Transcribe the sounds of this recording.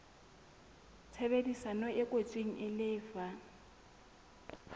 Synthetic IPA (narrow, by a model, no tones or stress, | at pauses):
t͡sʰɛβedisanɔʔɛkʼot͡sʼiŋ̩ʔɪlɪːfa